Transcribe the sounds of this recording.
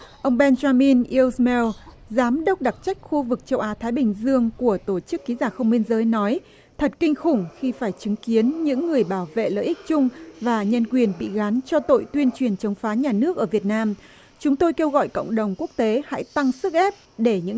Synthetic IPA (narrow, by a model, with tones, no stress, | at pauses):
ʔə˧wŋ͡mɓɛ˧nzaː˧mi˧nʔi˧wsmɛ˧w | zaː˨˦mɗə˦˥wk͡p̚ɗa˨˩k̚t͡ɕa˦˥jk̟̚xu˧vɨ˨˩k̚t͡ɕə˧wʔaː˨˦t̪ʰaː˨˦jɓï˨˩ŋ̟zɨ˧əŋku˧˩ət̪o˧˩t͡ɕɨ˦˥kːi˨˦zaː˧˩xə˧wŋ͡mɓi˧ənzəː˨˦jnɔ˨˦j | t̪ʰə˨˩t̚kï˧ŋ̟xʊ˧˩ŋ͡mxi˧faː˧˩jt͡ɕɨ˨˦ŋki˨˦ənɲɨ̰˧˥ŋːɨ˨˩əjɓaː˧˩wvḛ˧˨lə̰ː˧˨ʔï˦˥k̚t͡ɕʊ˧ŋ͡mvaː˨˩ɲə˧nkwi˨˩ənɓḭ˧˨ɣa˨˦nt͡ɕɔ˧t̪o̰˧˨jt̪wi˧ənt͡ɕwi˨˩ənt͡ɕə˨˦wŋ͡mfaː˨˦ɲaː˨˩nɨ˦˥ək̚ʔəː˧˩vi˨˩ət̚naː˧m | t͡ɕʊ˨˦ŋ͡mt̪o˧jke˧wɣɔ̰˧˨jkə̰˧˨wŋ͡mɗə˨˩wŋ͡mku˦˥ək̚t̪e˨˦ha̰˧˥jt̪a˧ŋsɨ˦˥k̚ʔɛ˦˥p̚ɗe˧˩ɲɨ̰˧˥